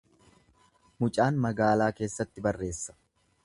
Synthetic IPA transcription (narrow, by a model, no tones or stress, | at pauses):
mʊt͡ʃʼaːnmɐɡaːlaːke̞ːsːɐt̪ːɪbɐrːe̞ːsːɐ̥